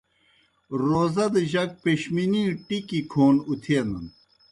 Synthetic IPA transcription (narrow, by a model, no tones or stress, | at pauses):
ɾoːzɐd̪əʑɐk̚peɕminiʈikikʰoːnut̪ʰeːnɐn